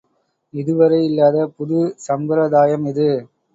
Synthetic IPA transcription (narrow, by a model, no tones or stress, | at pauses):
ɪðɯʋɐɾɐɪɪlːaːðɐpʊðɯsɐmbɐɾɐðaːjɐmɪðɯ